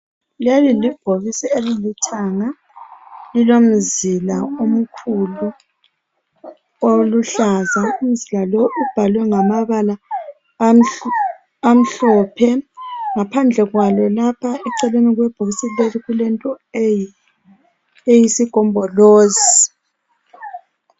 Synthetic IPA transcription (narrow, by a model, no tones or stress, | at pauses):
lialilib̥ʱoɣisielilitʰaŋa | lilom̩zilaom̩kʰulu | oluɬazaum̩zilalɔʔub̥ʱalwɛŋamaβala | am̩ɬɔpʰɛŋapʰand͡ɮʱɛɣwalɔlapʰaɛǀɛleniɣwɛb̥ʱoɣisileliɣulɛntʼɔ | e | ejisiɡ̥ʱɔmbʱɔloːzi